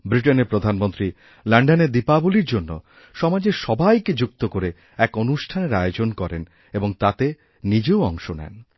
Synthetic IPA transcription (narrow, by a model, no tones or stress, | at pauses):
bɾiʈ̬eneɾpɾod̪ʱanmont̪ɾi | laɳɖaneɾd̪ipaboliɾd͡ʑonːo | ʃɔmad͡ʑeʃɔbajked͡ʑuk̚t̪okoɾe | ɛkonuʃʈʰaneɾajod͡ʑonkɔɾen | eboŋt̪at̪e | nid͡ʑeoɔŋʃonɛ̰n